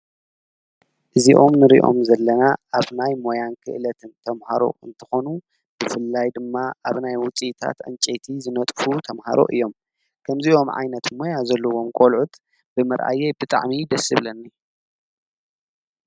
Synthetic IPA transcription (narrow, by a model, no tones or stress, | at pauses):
ʔɨziʔo̞mnɨɾḭʔo̞̰mzɐlːɐnaʔaβnajmo̞jankʰɨ̰ʔɨlɐt̪ʰɨnt̪ʰɐmha̰ɾo̞̰ɨ̰nt̪ʰɨ̥xo̞nu | b̥ɨfɨlːajd̪ɨmːaʔaβnajwʊt͡sʼit̪ʰa̰t̪ʔɨ̰nt͡ʃʼet̪ʰizɨnɐt̪ʼfut̪ʰɐmha̰ɾo̞̰ʔɨ̰jːo̞m | kʰɐmzio̞mʕa̰jnɐt̪mo̞jazɐlːɐwo̞mkʼolʕut̪ | bɨmɐɾʔa̰jebɨt̪ʼa̰ʕmid̪ɐsɨβlɐnːi